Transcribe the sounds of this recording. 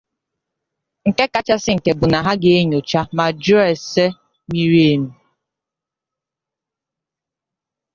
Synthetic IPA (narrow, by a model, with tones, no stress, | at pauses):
ŋ̩˨ke˦ka˨t͡ʃa˦sɪ˦ŋ̩˨ke˨bʊ˨na˨ɦa˦ɡe˦e˦ɲo˨t͡ʃa˦ma˨d͡ʒu˦ɛ˨se˦ | mi˦ɾi˦e˦˨m̩˦